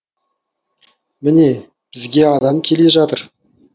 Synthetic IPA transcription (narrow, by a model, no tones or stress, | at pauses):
mɪne̞ | b̥ɪzɡʲe̞ɑd̪ɑmkʲʰe̞le̞ʒɑt̪əɾ